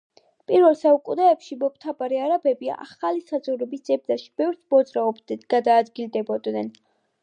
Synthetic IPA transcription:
pʼiɾvɛlˠsaukʼud̪aɛpʃimɔpʰt̪ʰabaɾiaɾabɛbia̰χalisad̪zʼɔɾɛbisd̪zɛb̚d̪aʃi̥bɛvɾtsʰmɔd̪zʼɾaɔbd̪ɡ̥ad̪aːd̪ɡild̪ɛbɔd̪nɛn

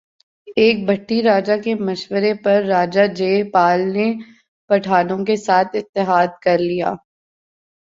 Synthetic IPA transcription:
eːk̚bʱɐʈːiɾaːd͡ʒakemɐʃwəɾepɐɾːaːd͡ʒad͡ʒeːpaːlne | pɐʈʰaːnõkesaːt̪ʰɪt̪ːɪɦaːd̪̚kɐɾlija̰ː

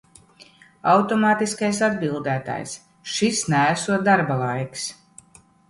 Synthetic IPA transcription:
awt̪ɔmaːt̪iskajs̬ad̪bilˠd̪æːt̪a̰js | ʃisnææsuɔt̪̚d̪aɾbalˠajks

